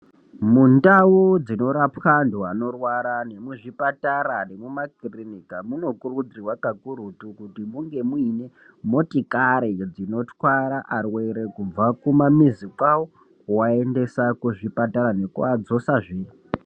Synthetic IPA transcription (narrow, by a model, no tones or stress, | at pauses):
mundawud͡zino̞ɾapanduano̞rwaɾane̞muʐipataɾane̞mumakirinikamuno̞kurud͡zirwakaɡuɾutukutimuŋɡe̞mwine̞ | mo̞tikaɾid͡zino̞twaɾaʔarwe̞ɾekub͡vakumamizikawo | kwae̞nde̞sakuʐipataɾane̞kuad͡zo̞saʐiː